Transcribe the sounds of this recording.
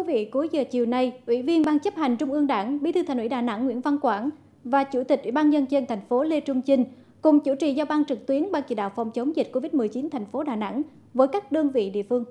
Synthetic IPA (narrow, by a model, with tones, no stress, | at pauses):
t̪ʰi˨˦vḭ˧˨ku˨˦jzəː˨˩t͡ɕi˨˩əwna˧jʔwḭ˧˥vi˧ənɓaː˧ŋt͡ɕə˦˥p̚ha˨˩jŋ̟t͡ɕʊ˧ŋ͡mʔɨ˧əŋɗaː˧˩ŋɓḭ˧˥t̪ʰɨ˧a˨˩ŋ̟wi˧˩ɗaː˨˩na̰˧˥ŋːwḭ˧˥ənva˧nkwaː˧˩n | vaː˨˩t͡ɕṵ˧˩t̪ï˨˩k̟ʔwḭ˧˩ɓaː˧nzə˧nt͡ɕe˧nt̪ʰa˨˩ŋ̟fo˨˦le˧t͡ɕʊ˧ŋ͡mt͡ɕi˧ŋ̟ | kʊ˨˩ŋ͡mt͡ɕṵ˧˩t͡ɕḭ˧˨zaː˧wɓaː˧ŋt͡ɕɨ˨˩k̚t̪wi˨˦ənɓaː˧ŋt͡ɕḭ˧˩ɗa̰ː˧˨wfa˨˩wŋ͡mt͡ɕə˨˦wŋ͡mzï˨˩t̚ko˧vi˦˥t̚mɨ˨˩əjt͡ɕi˨˦nt̪ʰɛ˨˩jŋ̟fo˨˦ɗaː˨˩na̰˧˥ŋ | vəː˨˦jkaː˦˥k̚ɗə˧əŋvḭ˧˨ɗḭ˧˨əfɨ˧əŋ